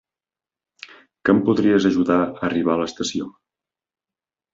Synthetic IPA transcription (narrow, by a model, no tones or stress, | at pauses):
kəmpuðɾiəzəʒuðaəːriβ̞aləst̪əsio